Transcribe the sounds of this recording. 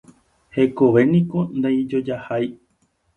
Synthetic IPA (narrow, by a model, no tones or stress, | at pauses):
he̞koʋe̞nĩko̞nd̪aid͡ʒo̞d͡ʒahaj